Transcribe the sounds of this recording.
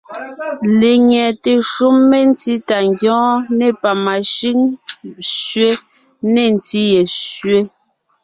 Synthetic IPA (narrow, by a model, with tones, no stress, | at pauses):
le˨ɲɛ˨te˨ʃu˦mːe˦n̩˦ti˦ta˨ŋɡjɔ̃ː˦ne˦˨pa˨ma˨ʃi˦ŋ | sɥe˦ | ne˦˨n̩˨ti˦je˨sɥe˦